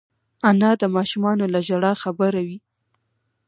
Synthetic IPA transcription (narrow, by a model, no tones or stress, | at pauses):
anɑd̪əmɑʃumɑnolaʒaɽɑxabaɾawi